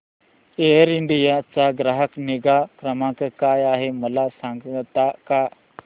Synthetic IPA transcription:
eɾiɳɖijat͡saɡɾaɦəkneɡakɾəmãkekaːjaːɦeməlasãŋɡt̪aka

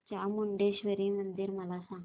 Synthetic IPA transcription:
t͡ʃamuɳɖeʃʋəɾimənd̪iɾmɐlasã

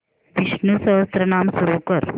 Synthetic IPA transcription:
ʋiʂnusəɦəst̪ɾənamsuɾukəɾ

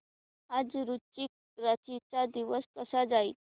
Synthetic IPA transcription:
ad͡zɾut͡ɕik̚ | ɾat̪ʰit͡sad̪iʋəskəsad͡zait̪

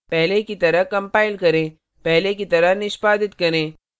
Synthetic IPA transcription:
pɛɦlekit̪ɐɾəɦkɐ̃mpaːɪlkɐɾẽː | pɛɦlekit̪ɐɾəɦnɪʃpaːd̪ɪt̪kɐɾẽː

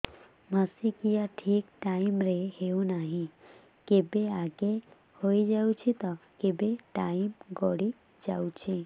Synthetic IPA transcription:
məsikijaʈʰiːkʈaimɾeɦeunaɦĩ | kebeaɡe | hoid͡ʒaut͡ʃʰet̪ɔkebeʈaimɡɔɽi | d͡ʒaut͡ʃʰe

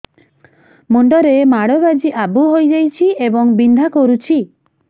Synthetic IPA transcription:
moɳɖɔɾemaɽɔbad͡ʒiʔabuɦojd͡ʒajt͡ʃʰiebɔŋbind̪ʱakɔɾut͡ʃʰi

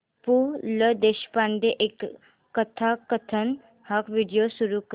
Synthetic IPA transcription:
puləd̪eɕpãɳɖ̪eʔekː | ət̪ʰakət̪ʰən | hakʋiɖjosuɾuk

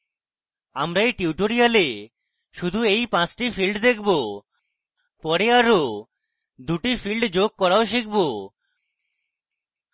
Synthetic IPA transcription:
amɾaeʈiuʈoɾiale | ʃud̪ʱuejpãt͡ɕʈifilɖd̪ekʰbo | pɔɾeaɾo | d̪uʈifilɖd͡ʑoɡ̚kɔɾaoʃik̚ʰbo

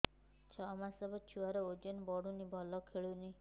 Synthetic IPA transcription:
t͡ʃʰɔmasɔbɔt͡ʃʰuaɾɔod͡ʒɔnbɔɽunibʱɔlɔkʰeɭuni

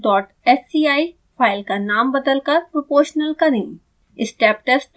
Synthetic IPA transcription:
ɖɔːʈ | ɛːsiːaːi | fʰaːɪlkanaːmbɐd̪əlkəɾpɾopoːʃnəlkɐɾɪ̃ŋɡ | ɪsʈɛːp̚ʈəsʈ

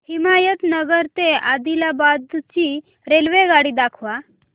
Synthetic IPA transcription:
himajət̪nəɡəɾt̪ead̪ilabad̪t͡ɕi | ɾelʋeɡaɽiːd̪akʰʋa

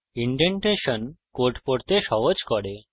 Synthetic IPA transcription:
iɳɖeɳʈeʃonkoɾʈpoɾt̪eʃɔɦod͡ʑkɔɾe

